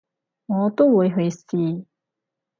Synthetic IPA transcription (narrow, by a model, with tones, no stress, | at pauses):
ŋɔ˨˧˦t̪o˥wu˨˥jɦɵ˨˧˥jsi˧˩